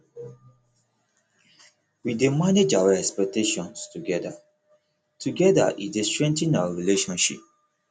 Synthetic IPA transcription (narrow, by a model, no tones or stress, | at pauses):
widemaned͡ʒawaɛkspɛk̚teʃɔ̃nstuɡɛda̰ | tʰuɡɛda̰ʔidestɹɛ̃ntĩnawaɹileʃɔ̃nʃḭp̚